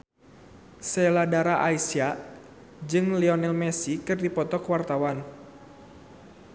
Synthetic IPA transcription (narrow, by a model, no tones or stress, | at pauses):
sɛladaɾaʔaisia | d͡ʒɨŋlɛɔnɛlmɛsikɨrdipɔt̪ɔkwart̪awan